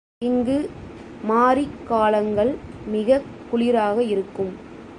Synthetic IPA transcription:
ɪŋɡɯ | maːɾikːaːlɐŋɡɐɭmɪɣɐkːʊɭɪɾaːɣɐɪɾɯkːɯm

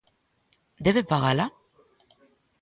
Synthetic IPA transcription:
d̪eβepaɣala

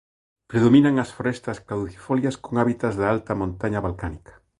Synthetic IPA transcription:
pɾeðomĩnaŋɐsfoɾɛst̪ɐsklaðuθi̥foljaskoŋaβit̪ɐzðaalt̪ɐmõnt̪aɲɐβalkanikɐ̥

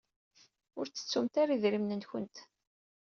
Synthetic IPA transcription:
ʊɾt͡sːə̥t͡sːumt̪aɾiðɾimnənçʊnt̪

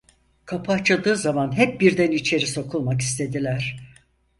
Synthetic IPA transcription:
kʰapʰat͡ʃʰad̪ɯːzamanɦɛp̚biɾd̪ænit͡ʃʰe̞ɾiso̞kʰulˠmaki̥st̪ʰe̞d̪ilʲæɾ̥

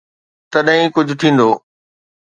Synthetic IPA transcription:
t̪ɐɗɦĩkʊd͡ʑʱʊt̪ʰĩːn̆d̪oː

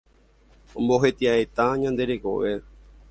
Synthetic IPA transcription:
õmbo̞ɦe̞t̪iaet̪aɲãnd̪e̞ɾe̞ko̞̰ʋe̞

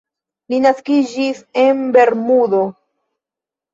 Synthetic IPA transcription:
linaskid͡ʒise̞nbe̞ɾmudo̞

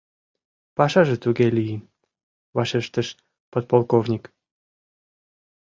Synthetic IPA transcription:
pɑʃɑʒĕt̪uɡelʲiji | βɑʃeʃt̪əʃ | pot̪̚polˠkovnʲik

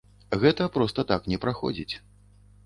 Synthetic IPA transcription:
ɣɛt̪ɐpɾɔst̪ɐt̪aknʲɛpɾaxɔ̰d͡zʲit͡sʲ

